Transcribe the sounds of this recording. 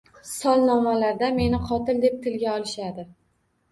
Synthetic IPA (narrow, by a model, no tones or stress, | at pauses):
sɒlˠnɒmalaɾd̪ame̞nɪqʰɒt̪ʰɪld̪e̞p̚t̪ʰɪlɡʲaɒlˠɪʃad̪ɪ